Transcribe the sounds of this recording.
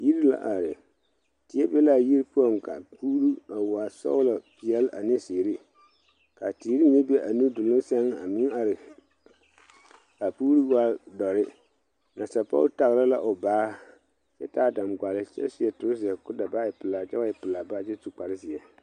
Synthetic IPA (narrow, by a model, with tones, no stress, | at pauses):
ji˦ɾi˦la̰˦ʔa˨ɾɪ˨ | ti˦ɛ˦bɛ˦la˦˨ji˦ɾpu˦ɔ˦ŋka̰˨puː˦ɾu˦a˨wa˨sɔ̰˦wla˨pi˨ɛ˦lʔa˨nɪ˦siː˨ɾɪ˦ | ka˨ti˨˦ɾi˦ɲ˦e˦bɛ˦ʔa˨nu˦dʊ˨lʊ˦sɛ˦ŋa˨mɪ˦ŋa˨ɾɪ˨ | ka˨puː˦ɾu˦wa˦dɔ˨ɾɪ˦ | na˨sa˨pa̰˦ta˨ɣɾa˦la˦ʔʊ˨baː˦ | t͡ʃɛ˦taː˦˨da˨mɡa˨lɪ˦t͡ʃɛ̰˦si˨˦ɛ˦tʊ˨ɾɪ˦s̬i˨ɛ˨kʊ˦da˨ba˦ɪ˨pɨ˨la˨t͡ʃɛ˦a˦ɪ˨pɨ˨la˨ba˦t͡ʃɛ˦tu˨k͡pa˨ɾɪ˦sɪ˨ɛ˨